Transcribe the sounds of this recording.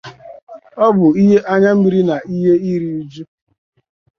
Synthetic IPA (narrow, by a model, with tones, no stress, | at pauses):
ɔ˦bʊ˨i˦ɦe˦ʔa˦ɲa˦m̩˦i˦ɾi˦na˨i˦ɦe˦i˦ɾi˦u˦d͡ʒu˦